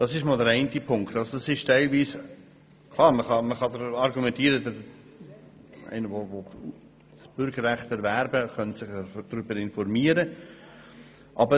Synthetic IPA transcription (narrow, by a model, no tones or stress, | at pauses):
d̥ɑsɪʃmɔːlˠdɛɾɛɪntipʰʊŋktɑlsod̥ɑsɪʃtɛɪlviːs | kʰlˠɑːɾməχɑməχɑdɾɑɾɡumɛ̃ntiːəɾədəɾ | æ̰ɪnəʋovo | sb̥ʏɾɡəɾːæχtɛɾvæɾbəχœntsɪχd̥ɾʏbəɾɪnfɔɾmiːəɾə | ʔɑbə